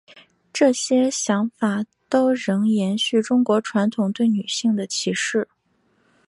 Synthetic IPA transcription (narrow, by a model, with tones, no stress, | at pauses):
ʈ͡ʂɤ˥˩ɕjɛ˥ɕjɑ˧˥ŋfa˨˩ | t̪o˥ʊɻɤ˧˥ŋjɛ˧˥nɕy˥˩ʈ͡ʂʊ˥ŋkwɔ˧˥ʈ͡ʂʰwa˧˥nt̪ʰʊ˨˩ŋt̪we˥˩ɪny˨˩ɕi˥˩ŋd̪ə˩t͡ɕʰi˧˥ʂɻ̩˥˩